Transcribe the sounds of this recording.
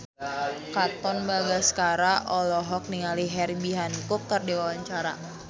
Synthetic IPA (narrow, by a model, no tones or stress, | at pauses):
kat̪ɔnbaɡaskaɾaʔɔlɔɦɔk̚niŋaliɦɛribiɦankʊkːərdiwawaɲt͡ʃaɾa